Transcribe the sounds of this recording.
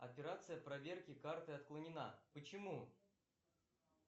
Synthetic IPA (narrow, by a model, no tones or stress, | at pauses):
ɐ̰pʲɪɾat̪sɨjəpɾɐvʲe̞rkʲɪkart̪ɨɐt̪klˠənʲɪna̰pət͡ɕɪmu